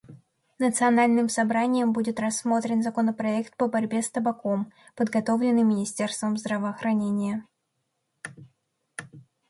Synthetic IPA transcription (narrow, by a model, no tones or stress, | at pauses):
nət̪sɨɐnalʲnɨmsɐbɾanʲɪjəmbudʲɪt̪rɐsːmo̞t̪ɾʲɪnzɐko̞nəpɾɐɛkt̪̚pəbɐɾʲbʲe̞st̪əbɐko̞m | pəd̪ɡɐt̪o̞vlʲɪnːɨjmʲɪnʲɪsʲtʲe̞rst̪vəmzd̪ɾəvəːxɾɐnʲenʲɪjə